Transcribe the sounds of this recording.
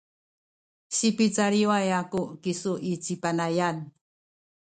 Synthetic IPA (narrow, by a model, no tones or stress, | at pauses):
ɕipit͡saɾiuajakukisuʔit͡sipanajan